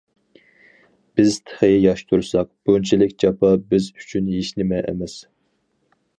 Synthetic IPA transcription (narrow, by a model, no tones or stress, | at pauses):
b̥ɪz̥t̪ʰə̥χɨjjɑʃt̪ʰuɾsɑq̚b̥unt͡ʃʰilɪkʲd͡ʒɑpɑbɪzy̥t͡ʃʰynɦeʃnɪmɛʔɛ̰mɛs